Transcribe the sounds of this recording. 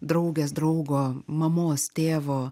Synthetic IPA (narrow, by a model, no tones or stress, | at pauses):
d̪ɾɐʊɡʲeːs̬d̪ɾɐʊɡoːmɐmoːst̪ʲeːʋoː